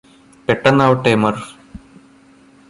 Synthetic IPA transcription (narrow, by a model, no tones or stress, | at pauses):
peʈːɐnːaːʋɐʈːeːmɐr